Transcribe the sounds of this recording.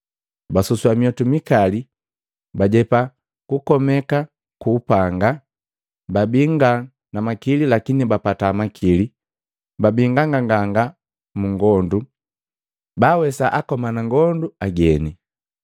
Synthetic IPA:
basuswamijɔtumikali | baɟɛpa | kukɔmɛka | kuːpaŋɡa | babiŋɡa | namakililakinibapataːmakʰili | babiŋɡaŋɡaŋɡaŋɡa | muŋɡɔndu | baːwɛsaʔakɔmanaŋɡɔnduaɡɛni

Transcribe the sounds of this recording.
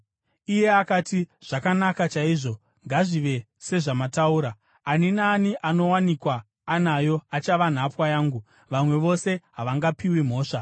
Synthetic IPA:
ije̞akatiʐ̥akanakat͡ʃaiːʐo̞ | ŋɡaʐiʋe̞ | se̞ʐamatauɾaː | ninaːniʔano̞wanikwaː | najo̞at͡ʃaʋan̤apwajaːŋɡu | ʋamwe̞ʋo̞se̞ɦaʋaŋɡapiwim̤o̞ːʂa

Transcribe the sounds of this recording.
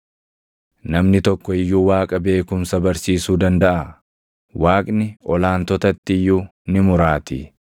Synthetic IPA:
nɐmnɪt̪ɔkːɔɪjːuːwaːkʼɐbe̞ːkʊmsɐbɐɾsiːsuːd̪ɐnd̪ɐʔɐ | waːkʼnɪʔɔlaːnt̪ɔt̪ɐt̪ːɪjːunɪmʊɾaːt̪ɪ

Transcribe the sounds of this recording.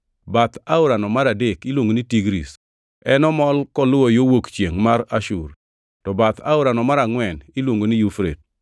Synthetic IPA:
bat̪aʊɾanɔmaɾadekilwoŋɡonitiɡɾḭs | ɛnɔmɔlkɔlʊɔjowokt͡ʃjeŋmaɾaʃur | tɔbat̪ʰa̰ʊɾanɔmaɾaŋwɛnilwoŋɡonijufɾḛt̚

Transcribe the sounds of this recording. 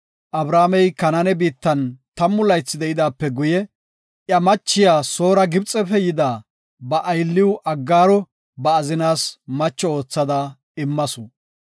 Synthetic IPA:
ʔɐbɾaːmɛjkɐnɐnɛbiːt̪ːɐnt̪ɐmːʊlɐjt͡sːɪd̪ɛɪd̪aːpːɛɡʊjɛ | ʔjɐmɐt͡ʃːɪjaːso̞ːɾɐɡɪbt͡sʼːɛpɛjɪd̪aː | bɐʔɐjlːɪwʊʔɐɡːaːɾɔ | bɐːzɪnaːsmɐt͡ʃːɔo̞ːt͡sːɐd̪ɐ | ɪmːɐsʊ

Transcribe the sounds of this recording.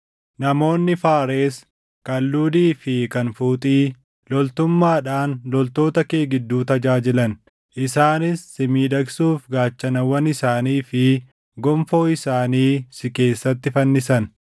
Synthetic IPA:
nɐmo̞ːnːɪfaːɾe̞ːs | kɐlːuːd̪iːfɪkɐnfuːt̪ʼiː | lɔlt̪ʊmːaːᶑaːnlɔlt̪o̞ːt̪ɐke̞ːɡɪd̪ːuːt̪ɐd͡ʒaːd͡ʒɪlɐn | ʔɪsaːnɪsːɪmiːd̪ɐɡsuːfɡaːt͡ʃːɐnɐwɐnɪsaːniːfɪ | ɡɔmfo̞ːɪsaːniːsɪke̞ːsːɐt̪ːɪfɐnːɪsɐn

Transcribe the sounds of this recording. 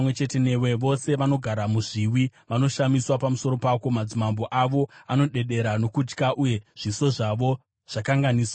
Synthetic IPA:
mwe̞t͡ʃe̞te̞ne̞weʋo̞se̞ʋano̞ɡʱaɾamuʐiwiʋano̞ʃamiswapamuso̞ɾo̞pako̞mad͡zimambo̞ʔaʋo̞ano̞ɗe̞ɗe̞ɾano̞kud͡ʒkaʔuje̞ʐ̥iso̞ʐaʋo̞ | ʐ̥akaŋɡaniːswa

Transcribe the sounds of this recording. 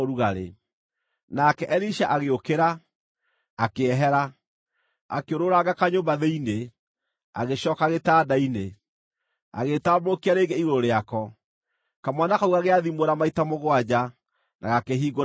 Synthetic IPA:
oɾuɣaɾḛ | nakɛʔɛɾiʃaʔaɣeokeɾaː | keɛɦɛɾa | a̰keoɾoɾaɡakaɲoːmbaðeine | a̰ɣeɕɔːkaɣetaːdaine | a̰ɣetabɾokiaɾeːɡeiɣoɾoɾeakɔ | kamwanakauɣaɣeaðimoɾamaitamoɣwad͡ʑa | na̰ɣakeɦiːɡo

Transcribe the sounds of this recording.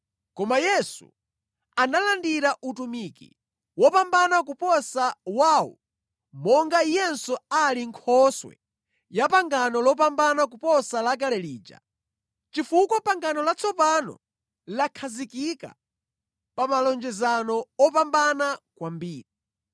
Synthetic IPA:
kɔmajɛsṵ | analandiɾaʔutumikḭ | wɔpambanak̬upɔsawaːwɔ̰ | mɔŋɡaijɛnsɔaliŋkʰɔswɛ̰ | japaŋɡanɔlɔp̬ambanak̬upɔsalakalɛliːd͡ʒa̰ | t͡ʃifukɔpaŋɡanɔlat͡sʰɔpanɔ̰ | lakʰazikika̰ | pamalɔnd͡ʒɛzanɔɔpambanakwambiːɾi

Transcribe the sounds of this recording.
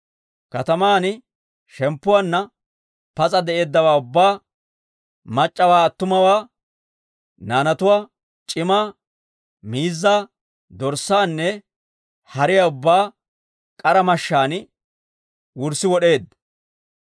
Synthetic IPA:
kɐt̪ɐmaːn | ʃɛmpːʊwaːnːɐ | pɐt͡sʼɐd̪ɛʔe̞ːd̪ːɐwaːʊbːaː | mɐt͡ʃʼːɐwaːɐt̪ːʊmɐwaː | naːnɐt̪ʊwaː | t͡ʃʼɪmaː | miːzːaː | d̪ɔɾsaːnːɛ | hɐɾɪjɐʊbːaː | kʼɐɾɐmɐʃːaːn | wʊɾsːɪwɔɗe̞ːd̪ɐ

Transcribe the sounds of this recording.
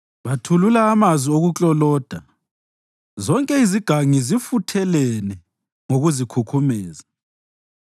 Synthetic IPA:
βatʰululaːmazwioɣut͡ɬʼɔlɔːd̥ʱa | zɔŋkʼɛiziɡ̥ʱaŋizifutʰɛlɛnɛ | ŋoɣuzikʰukʰumɛːza

